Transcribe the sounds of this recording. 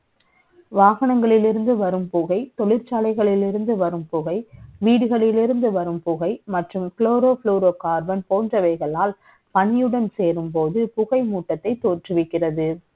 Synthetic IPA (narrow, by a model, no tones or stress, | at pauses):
ʋaːɣɐnɐŋɡɐɭɪlɪɾɯnd̪ɯʋɐɾɯmpʊɣɐɪt̪ɔɭɪɾt͡ʃaːlɐɪɣɐɭɪlɪɾɯnd̪ɯʋɐɾɯmpʊɣɐɪʋiːɽɯɣɐɭɪlɪɾɯnd̪ɯʋɐɾɯmpʊɣɐɪmɐʈrɯmkloːɾoːfɭuːɾoːkaːɾbɐnpoːndrɐʋɐɪɣɐɭaːl | pɐɳɪjɯɽɐnseːɾɯmpoːðɯpʊɣɐɪmuːʈːɐt̪ːɐɪt̪ːoːʈrɯʋɪkːɪrɐðɯ